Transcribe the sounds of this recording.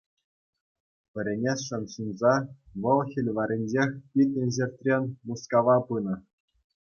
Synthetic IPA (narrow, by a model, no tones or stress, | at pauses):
pʲɘ̆ɾʲenʲeʂɤ̆nʂunzɑʋɤ̆lˠxʲilʲʋɑɾʲenʲd͡ʑexʲpʲit̪̚ʲnʲɘ̆ʑerʲtʲrʲenʲmuskɑʋɑpɯnɤ̆